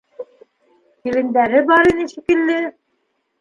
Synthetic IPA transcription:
iɾɘ̆nd̪æɾɘbɑɾinɘʃikɘ̆lːɘ

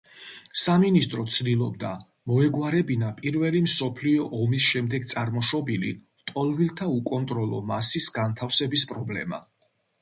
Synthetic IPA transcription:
saminist̪ʼɾɔt̪sʰd̪ilˠɔb̚d̪a | mɔɛɡwaɾɛbinapʼiɾvɛlimsɔpʰliɔʔɔmisʃɛmd̪ɛɡ̚t̪sʼaɾmɔʃɔbilḭ | t̪ʼɔlˠvilˠt̪ʰaukʼɔnt̪ʼɾɔlˠɔ̰masisɡant̪ʰafsɛbispʼɾɔblɛ̰ma̰

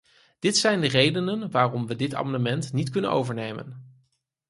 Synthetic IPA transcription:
d̥ɪtsɛjndərejdənənʋaːrɔmʋədɪta̰ːmɑndəmɛntnitkɵnə̰no̰wvəɹnejmə̰n

